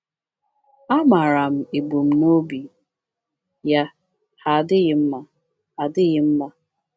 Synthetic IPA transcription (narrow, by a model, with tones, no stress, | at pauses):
a˦ma˨ɾa˨m̩˨e˨ɡ͡bo˨m̩˨n˦o˦bi˨ | ja˦ | ha˨dɪ˦ɣɪ˨m̩˦ma˦ | a˨dɪ˦ɣɪ˨m̩˦ma˦